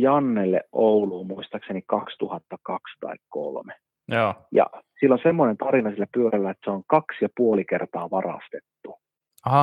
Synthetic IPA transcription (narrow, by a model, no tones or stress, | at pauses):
jɑnːelːḛʔʔouluːmuist̪ɑksenikɑkst̪uhɑt̪ːɑkɑkst̪ɑ̰ikko̰lme | oːjɑ̰silːonsemːonent̪ɑrinɑsilːæpyøɾælːæet̪seoŋkɑksjɑpuolikert̪ɑːʋɑrɑ̰st̪et̪ːu | ɑɑ